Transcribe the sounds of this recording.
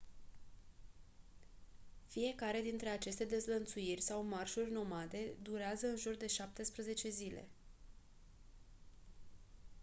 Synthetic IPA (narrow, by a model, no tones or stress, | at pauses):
fije̞kaɾe̞d̪int̪ɾe̞at͡ʃe̞st̪e̞d̪e̞zlənt̪suirʲsawmarʃurʲno̞mat̪e̞d̪uɾeazəɨnʒurd̪e̞ʃap̚t̪e̞spɾəze̞t͡ʃe̞zile̞̰